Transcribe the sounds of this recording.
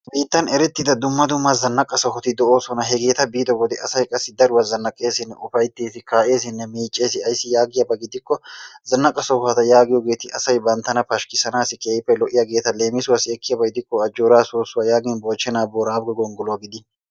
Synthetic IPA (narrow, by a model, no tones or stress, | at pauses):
biːt̪ːɐnɛɾɛt̪ːɪd̪ɐd̪ʊmːɐd̪ʊmːɐzɐnːɐkʼːɐsɔfɔt̪ɪd̪ɔʔo̞ːsɔnɐɦɛɡe̞ːt̪ɐbiːd̪ɔwɔd̪ɛɐsɐjkʼɐsːɪd̪ɐɾʊwɐzɐnːɐkʼːe̞ːsɪnːɛʊfɐjt̪ːeːt̪ɪkaːʔe̞ːs̬ɪnːɛmiːt͡ʃʼːeːsɪɐjsːɪjaːɡɪjɐbɐɡɪd̪ɪkːɔzɐnːɐkʼːɐsɔɐt̪ɐjaːɡɪjɔɡe̞ːt̪ɪʔɐsɐjbɐnt̪ːɐnɐpɐʃkɪsɐnaːsɪkeːjpːɛlɔʔɪjɐɡe̞ːt̪ɐle̞ːmɪsʊwɐsɪɛkʰːɪjɐbɐɡɪd̪ɪkːɔɐd͡ʒːoːɾaːsoːsːʊwɐjaːɡɪnboːt͡ʃːɛnaːboːɾaːbɡɛɡɔŋɡɔlʊwɐɡɪd̪ɪ